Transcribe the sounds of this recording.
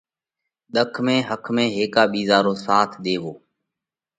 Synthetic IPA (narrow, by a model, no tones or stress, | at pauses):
ɗ̪əkʰmẽːɦəkʰmẽːɦeːkaːɓiːzaːɾõːsaːt̪ʰɗ̪eːʋoː